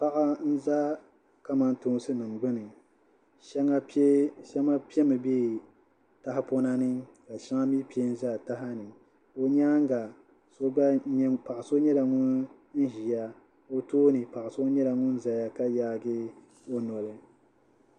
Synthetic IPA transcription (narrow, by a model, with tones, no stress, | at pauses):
pa˦ʔa˦n̩˦za˦ | ka˦ma˦n˦tʊ˨ŋ˦sɨ˦nɨ˨m˨ɡ͡bɨ˦nɨ˨ | ʃɛ˦ŋa˦ʃɛ˦ma˦pi˦ɛ˦mɨ˨beː˦˨ | ta˦ɦɪ˦po˦na˦nɨ˦ka˨ʃa˦ŋa˦mi˦pi˦e˦n̩˦za˦˨ta˦ɦa˦nɨ˨ | o˦ɲa˦ŋ˦ɡa˨ | so˦pa˨ʔa˨so˦ɲɛ˦la˨ŋʊ˦n˦ | n̩˦ʒi˨ja˦ | o˦toː˦nɨ˨pa˨ʔa˨so˦ɲɛ˦la˨ŋʊ˦n˦za˨ja˦ka˦jaː˦ɡɪ˦ | o˦nɔ˨lɨ˨